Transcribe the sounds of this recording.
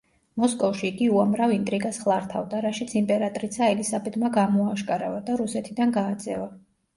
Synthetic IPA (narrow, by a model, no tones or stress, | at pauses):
mɔskʼɔfʃiːɡiuamɾavint̪ʼɾiɡasχlˠaɾt̪ʰa̰vd̪aɾaʃit̪sʰimpʼɛɾat̪ʼɾisaɛlisabɛd̪maɡamɔaʃkʼaɾavad̪aɾusɛt̪ʰid̪anɡaːd̪zɛva